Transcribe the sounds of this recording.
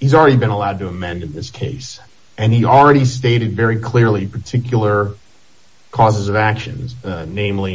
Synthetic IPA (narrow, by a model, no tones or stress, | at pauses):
hizl̩ˠɹɛɾibɨ̃nəlaʊd̚tʰɨəmɛ̃ndɨ̃n̩ðɪskʰeɪs | ɨ̃nil̩ˠɹɛɾisteɪɾɨdvɛɹikʰl̥ɪɹlipʰə˞tʰɪkʰjl̩ˠə˞ | kʰɔzəzʌvækʃɨ̰̃nznẽɪ̃mli